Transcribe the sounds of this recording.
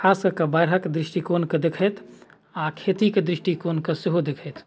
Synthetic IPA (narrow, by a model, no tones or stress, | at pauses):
kʰaːskɐkɐbɐjɾɦəkd̪ɾɪʃʈikoːnkɐd̪ɪkʰɐt̪ʰ | aːkʰeːt̪ikd̪ɾɪʃʈikoːnkɐsɪɦod̪ɪkʰet̪ʰ